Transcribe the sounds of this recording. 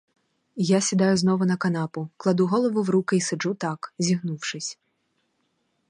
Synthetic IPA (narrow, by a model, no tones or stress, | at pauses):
jasʲid̪ajʊznɔvɐnɐkanapuklˠad̪uɣɔlˠɐvuwɾukɪisɛʐut̪akzʲiɣnuwʂɨsʲ